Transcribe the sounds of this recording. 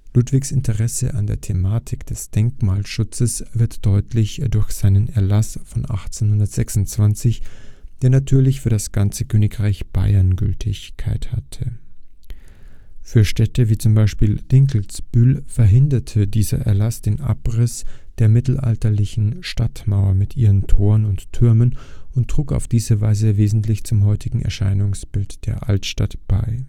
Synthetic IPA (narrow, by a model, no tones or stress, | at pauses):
lutv̥ɪçsɪntʰəʁɛsə̰ʔa̰ndeːɐtʰemaːtʰɪkd̥ɛsd̥ɛŋkmaːlʃʊt͡səsv̥ɪɐtd̥ɔʏtʰlɪçd̥ʊɐçz̥aɪnənɛɐlasfɔnʔa̰χt͡senhʊndɐtz̥ɛksʊnt͡sv̥ant͡sɪçd̥eːɐnatʰyːɐlɪçfyːɐɾasɡ̥ant͡səkʰøːnɪkʁ̥aɪçb̥a̰ɪɐnɡʏ̰ltʰɪçkʰaɪtha̰tʰə | fyːɐʃtɛtəviːt͡sʊmbaɪʃpiːld̥ɪŋkl̩sb̥ʏlfɛɐɦɪndɐtʰədiːzɐ̰ʔɛ̰ɐlasd̥eːnʔa̰pʁɪsd̥eːɐmɪtl̩ʔa̰ltɐlɪçn̩ʃtatmaʊɐmɪtʔiːʁəntʰoːʁənʊntːʰʏɐmənʊntːʁ̥uːka̰ʊfd̥iːzəvaɪzəveːzn̩tlɪçt͡sʊmɦɔʏtʰɪɡŋ̩ɛ̰ɐʃa̰ɪnʊŋsb̥ɪltd̥eːɐʔa̰ltʃta̰tb̥a̰ɪ